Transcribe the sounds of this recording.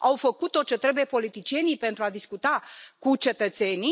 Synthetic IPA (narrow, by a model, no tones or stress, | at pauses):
awfəkut̪ːo̞t͡ʃet̪ɾe̞buje̞po̞lit̪it͡ʃije̞nijpe̞nt̪ɾuad̪iskut̪akut͡ʃe̞t̪ət̪se̞ni